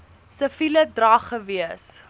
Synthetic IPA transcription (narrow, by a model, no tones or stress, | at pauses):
səfilədrɐχəviəs